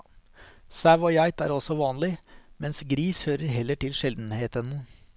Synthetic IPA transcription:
sæʋoːjɑɪt̪æ̰ːɾɔsɔʋɑːnlɪmɛnsɡɾiːshøːɾəɾɦɛlːəʈɪlʂɛld̪n̩heːt̪ənə

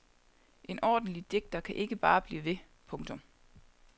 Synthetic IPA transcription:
ʔe̝nʔɒ̰ːd̥n̩lid̥e̝ɡ̥̚d̥ɐkʰæʔe̝ɡ̥əb̥ɑ̈ːb̥lḭːʋe̝ | pʰɔ̽ŋt͡sʰɔ̽m

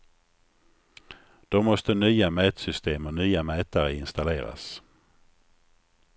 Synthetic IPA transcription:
d̪̥ɔmːɔst̪ənyːamɛːt̪sʏst̪eːmɔnyːamɛːt̪aɾəɪnst̪aleːɾa̰s

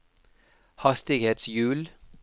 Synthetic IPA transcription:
hɑst̪ɪɡhed̪̥sjʉːl

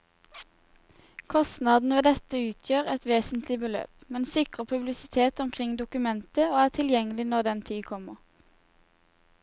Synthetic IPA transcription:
kʰɔst̪nɑːd̪n̩ʋeːd̪ɛt̪əʉːt̪ʰjøːʁɛt̪ʋeːsn̩t̪ʰlɪbəlø̰ːpmɛnsɪkʁəpʰʉblɪsɪt̪ʰeːt̪ɔmkʰʁɪŋd̪ʊkʉmɛnt̪əoːæːʁt̪ʰɪljɛŋəlɪnɔʁd̪ɛnt̪ʰiːkʰɔməʁ

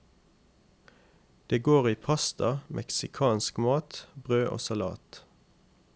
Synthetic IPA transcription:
d̪̥eːɡoːʁiːpʰɑst̪ɑmʔɛksɪkʰɑːnskmɑːt̪bʁøːʔo̰ːsɑlɑ̰ːt̪

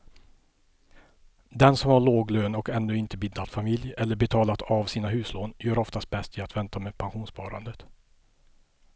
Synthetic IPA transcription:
d̪ɛnsɔmhaɭoːɡløːnɔkɛnːɵɪnt̪əbɪd̪ad̪famɪljɛlːəɾbɛt̪ʰɑːlat̪avsiːnaɦʉ̟ːsloːnjœːɾɔft̪ast̪̚bɛst̪ʰɪlat̪vɛnt̪amɛpʰanɧuːnspɑ̰ːɾa̰nd̪ət̪

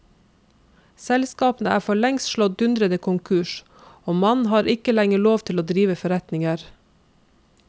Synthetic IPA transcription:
sɛlskɑːpnəʔæ̰ːfɔɭɛŋst̪ʃɭɔt̪̚ʉnd̪ɾəd̪əkʰʊŋkʰʉːʃ | oːmɑnhɑːɾʔɪkəlæŋəɭoːʋt̪ʰɪloːd̪ɾiːʋəfɔɾɛt̪nɪŋəɾ

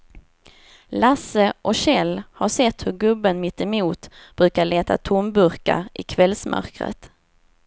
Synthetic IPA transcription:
lasəʔɔɕɛlːhaʂɛt̪ːhɵɾɡɵbːənmɪt̪ːɛmuːt̪b̥ɾʉ̟ːkaɭeːt̪ʰa̰t̪ʰʊmbɵɾkaɾʔɪkʰvɛlsmʔœ̰ɾkɾə̰t̪

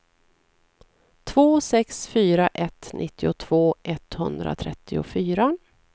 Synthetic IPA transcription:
t̪ʰv̥oːsɛksfyːɾaʔɛt̪nʔɪ̰t̪ːɪʊt̪ʰv̥oːʔɛt̪hɵnd̪ɾa̰t̪ʰɾɛt̪ʰːɪʊ̰fyːɾa

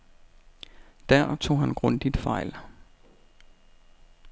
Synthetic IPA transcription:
d̥æɐ̰t͡sʰo̝̰ːɦænɡ̥ʁɔ̽nd̥id̥fɑ̈ɪ̰l

